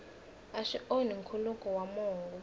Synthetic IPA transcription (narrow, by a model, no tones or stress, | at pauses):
aʃiʔoniŋkʰulukʼɔwamɔːŋɡɔ